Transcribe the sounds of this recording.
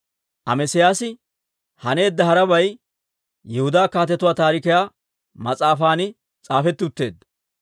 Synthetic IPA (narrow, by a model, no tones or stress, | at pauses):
ʔɐ̰mɛsɪjaːsɪ | hɐne̞ːd̪ːɐɦɐɾɐbɐj | jɛhʊd̪aːkaːt̪ɛt̪ːʊwaːt̪aːɾɪkɪjaː | mɐt͡sʼaːfaːnɪ | t͡sʼaːfɛt̪ːɪʊt̪ːe̞̰ːd̪ːɐ